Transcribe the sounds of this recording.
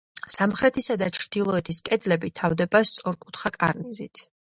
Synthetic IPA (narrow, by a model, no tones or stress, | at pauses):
samχɾɛt̪ʰisad̪at͡ʃʰɾd̪̥ilˠɔɛt̪ʰiskʼɛd̪lɛbit̪ʰavd̪ɛbast̪sʼɔɾkʼut̪ʰχakʼa̰ɾnizit̪ʰ